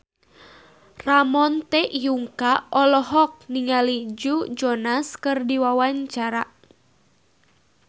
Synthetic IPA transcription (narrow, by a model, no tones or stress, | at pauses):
ramɔnt̪ɛʔjuŋkaʔɔlɔɦɔk̚niŋalid͡ʒud͡ʒɔnaskɨrdiwawaɲt͡ʃaɾa